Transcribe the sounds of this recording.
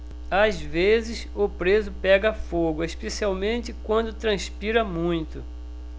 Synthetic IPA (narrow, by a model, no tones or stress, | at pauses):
azvezɪs | ʊpɾezʊpɛɡɐfoɡʊeʃpesiawmẽnt͡ʃɪkwɐ̃nd̪ʊt̪ɾɐ̃spiɾɐmũj̃t̪ʊ